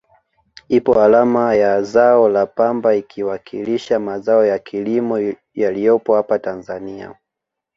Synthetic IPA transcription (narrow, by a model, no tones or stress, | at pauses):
ipɔalamajazaɔlapambaikʰiwakʰiliʃamazaɔjakʰilimɔ | jalijɔpɔhapatanzania̰